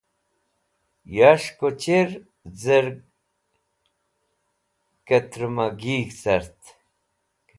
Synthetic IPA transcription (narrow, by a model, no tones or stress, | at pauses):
jaʂkot͡ɕeɾ | zəɾ | kɐt̪ɾmaɡiːɡsɐɾt̪